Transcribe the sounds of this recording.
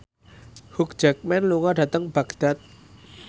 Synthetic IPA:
huk̚d͡ʒ̥ak̚mɛnluŋɔɖä̤t̪əŋb̥aɡd̪̥a̤t̪̚

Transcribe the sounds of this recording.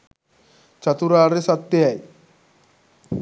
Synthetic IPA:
t͡ɕat̪uɾaɾesat̪ːeaj

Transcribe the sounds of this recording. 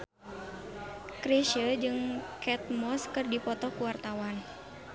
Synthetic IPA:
kɾeʃəd͡ʒɨŋkɛt̪̚mɔskɨrdipɔt̪ɔkuwart̪awan

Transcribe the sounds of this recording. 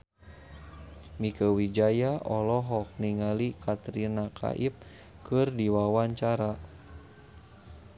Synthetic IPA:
mikəwid͡ʒajaɔlɔɦɔk̚niŋalikʰat̪ɾinakʰa̰ʔip̚ | kɨrdiwawaɲt͡ʃaɾa

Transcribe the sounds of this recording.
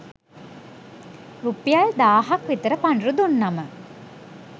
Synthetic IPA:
rupijald̪aːɦakʋit̪əɾəpanɾud̪unːamə

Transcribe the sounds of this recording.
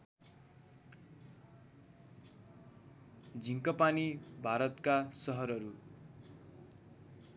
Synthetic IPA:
d͡zʱiŋkʌpanibʱaɾʌt̪kasʌɦʌɾʌɾu

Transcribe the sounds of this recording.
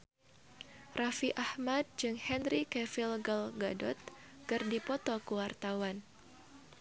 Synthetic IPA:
rʔafiʔahmad̪̚d͡ʒɨŋhɛnɾikɛfilɡalɡadɔt̪̚ | kɨrdipɔt̪ɔkuwart̪awan

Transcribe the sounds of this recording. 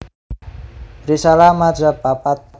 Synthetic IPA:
risalamad͡ʒabapat̪̚

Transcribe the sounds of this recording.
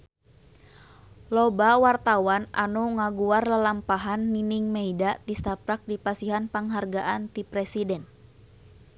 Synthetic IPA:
lɔbawart̪awana̰nuŋaɡuarlalampaɦanːiniŋmɛidat̪ist̪apɾak̚dipasiɦanpaŋɦarɡaʔant̪ipɾɛsidɛn

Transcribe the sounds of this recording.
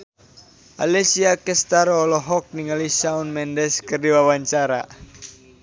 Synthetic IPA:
a̰lɛsiakɛst̪aɾɔːlɔɦɔk̚niŋalisaunmɛndɛskɨrdiwawaɲt͡ʃaɾa̰

